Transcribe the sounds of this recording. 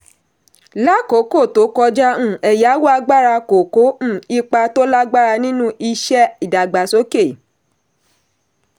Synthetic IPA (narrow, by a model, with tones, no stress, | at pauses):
la˦ko˨˦ko˦˨to˨˦kɔ˧d͡ʒã˦˨ɛ˨ja˨˦wo˦a˧ɡ͡ba˦ɾa˧ko˨ko˨˦m̩̃˦˨i˧k͡pa˧to˦la˦ɡ͡ba˦ɾa˧nĩ˦nũ˦i˧ʃɛ˦i˨da˨ɡ͡ba˨so˨˦ke˦˨